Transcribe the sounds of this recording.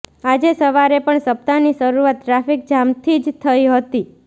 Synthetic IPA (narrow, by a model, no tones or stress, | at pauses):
ad͡ʒesəʋaɾepəɳsəp̚t̪anisəɾuat̪ːɾafik̚d͡ʒamt̪ʰid͡ʒt̪ʰəiɦət̪i